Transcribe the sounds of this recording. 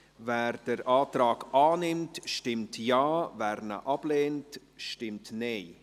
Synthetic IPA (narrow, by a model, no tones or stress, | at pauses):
vɛːrd̥əɾʔaːtɾaːɡɑːnɪmtʃtɪmtjaːvɛːɾnə̰ʔɑb̥leːnt | ʃtɪmtneɪ